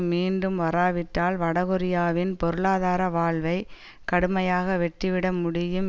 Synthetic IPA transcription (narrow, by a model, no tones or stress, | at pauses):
miːnɖɯmʋɐɾaːʋɪʈːaːlʋɐɽɐɣɔɾɪjaːʋɪnpɔɾɯɭaːðaːɾɐʋaːɭʋɐɪ | kɐɽɯmɐjaːɣɐʋɛʈːɪʋɪɽɐmʊɽɪjɯm